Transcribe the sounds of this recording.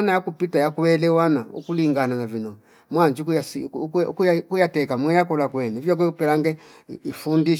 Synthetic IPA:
anajakupitajakwɛlɛwanaṵkuliŋɡananavinɔ | mwaɲd͡ʒikujaskkujatɛkamwɛjakɔlakwɛnɛvjɔk̬ɛupɛlaŋɡɛ | ifundiʃ

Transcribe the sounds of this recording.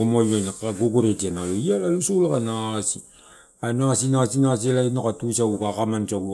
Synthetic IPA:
omajajnakaɡoɡoɾetianaloialalusolakanasi | anasinasinas̬elainokatusaɡukakamant͡ʃau

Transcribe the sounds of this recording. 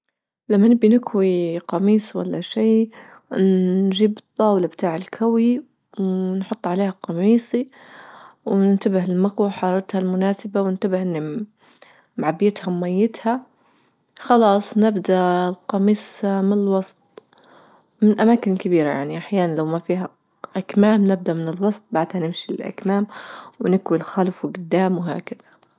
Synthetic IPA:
lamːanɪbːinɪkwiqɑmiːswa̰lːaʃiː | nʒiːbɨt̪ˤːɑːwlabt̪aːʕɪlkʰawi | wnħʊt̪ˤːʕaleːhaqɑmiːsi | wnɪnt̪abɪhɪlmakawħɑːɾˤɑt̪halmʊnaːsɪbawɪnt̪abɪhʔɪnːi | mʕabːjɪt̪hawmajːɪt̪ha | xɑlɑːsˤnɪbd̪alqɑmiːsmɪnɪlwɑsˤt̪̚ˤ | mɪnʔamaːkɪnkɪbiːɾa̰ja̰ʕniʔaħjaːnanlawmafiːɦa | ʔakmaːmnɪb̚d̪aʔmɪnɪlwɑsˤt̪̚ˤbaʕd̪hanɪmʃiɪlʔa̰kmaːmwnɪkwɪlxalfwɪɡʊd̪ːaːmwɦa̰ːkaðḁ

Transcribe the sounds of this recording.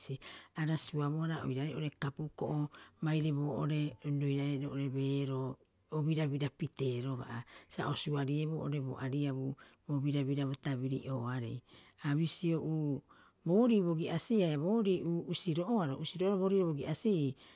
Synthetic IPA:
siaɾasuaβoaɾaʔo̰jɾaɾeʔoɾe̞kapukoʔomajɾeβoːʔoɾe̞dojɾaɾedoʔoɾeβe̞ːɾo | oβiɾaβiɾapite̞ːɾoɡa̰ʔasa̰ʔosuaɾieβoʔoɾebo̰ʔaɾiaβuboβiɾaβiɾaβotaβiɾḭʔoːaɾḛjaβisioʔuː | bo̞ːɾiβoɡiʔasiajaβo̞ːɾiʔuːusiɾoʔoaɾoʔusiɾoʔoɾeβoɾioβoɡiasi

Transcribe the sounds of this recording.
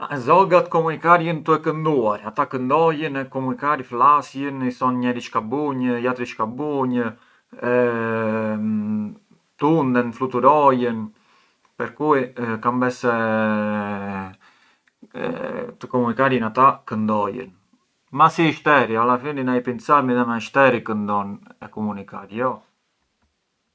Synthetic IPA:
zɔɡat̪əkɔmunikaɾjənt̪uɛkənd̪uaɾat̪akənd̪ɔjənɛkɔmunikaɾiflasjənisɔnɲɛɾit͡ʃkabuɲəjat̪ɾit͡ʃkabuɲə | ɛ | t̪und̪ɛnflut̪uɾɔjən | pɛɾkuikambɛsɛ | t̪əkɔmunikaɾjənat̪akənd̪ɔjə̰n | masiʃt̪ɛɾialafilinajpint͡saɾmiðanaiʃt̪ɛɾikənd̪ɔnɛkɔmunikaɾjɔ

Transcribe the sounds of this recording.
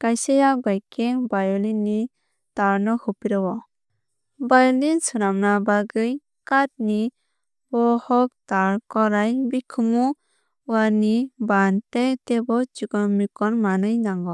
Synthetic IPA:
kajsajabajkebajɔlini | taɾnɔhupiɾɔwɔ | bajɔlinsuɾamnabaɡɯj | kat̚ni | bɔhɔk̚taɾkɔɾajbikʰɯmu | anibantetebɔt͡ʃuɡɔmikɔnmanɯjnaŋɡɔ

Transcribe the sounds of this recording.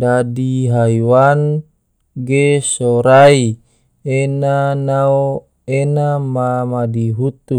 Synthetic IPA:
dadiɦaiwan | ɡesoɾai | enanao | enamamadiɦut̪ːu

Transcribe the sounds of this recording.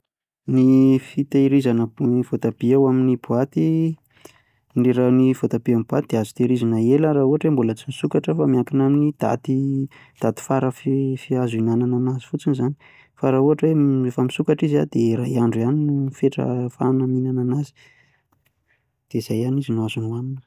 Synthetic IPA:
nifit̪eɾizanəivot̪abiawaminibuat̪i | ɳɖ͡ʐiɾanifot̪abiamibuat̪id̪eazu̥t̪eɾizanəeləɾauɦaʈ͡ʂwembulat͡simisukaʈ͡ʂəfamiakinaminid̪̥a̰t̪i | d̪̥at̪i̥faɾəffiazinanananazifut͡sinizani̥ | faɾauaʈ͡ʂweefəmisukaʈ͡ʂizia̰d̪eɾaɦiaɳɖ͡ʐuaninufeʈ͡ʂə̰fa̰naminananazi̥ | d̪̥eiz̥ajanizinuazunuaninə̥

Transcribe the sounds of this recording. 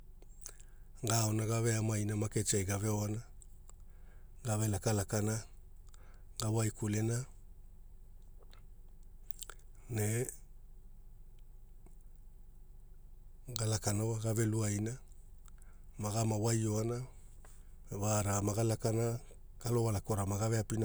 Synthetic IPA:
ɡaonaɡave̞amajnamaket͡ʃajɡaveoana | ɡavelakalakana | ɡawajkulena | ne | ɡalakanowaɡave̞luajna | maɡamawajoana | vaɾamaɡalakana | ɡ̥alo̞walako̞ɾamaɡaveapina

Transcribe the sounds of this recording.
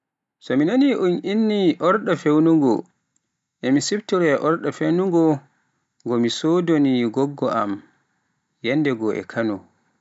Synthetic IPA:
sɔminaniʔunʔinːiʔɔɾɗafewnuŋɡɔ | ʔɛmisibtiɾɛʔɔɾɗafewnuŋɡɔ | ŋɡɔmisoːdoniɡɔɡːɔʔam | jɛnːdɛɡɔʔɛ̰kʰanɔ

